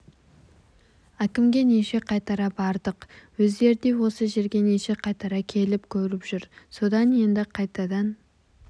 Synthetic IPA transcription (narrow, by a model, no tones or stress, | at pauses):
ækʲɪmɡʲe̞neʃe̞qʰɑjt̪ɑɾɑbɑɾd̪əqwɵzd̪e̞ɾɪd̪e̞wo̞səʒe̞ɾɡʲe̞neʃe̞qʰɑjt̪ɑɾɑkʲʰe̞lɪpkʲʰɵɾɪpʒ̥ʏɾso̞d̪ɑnje̞nd̪ɪqʰɑjt̪ɑd̪ɑn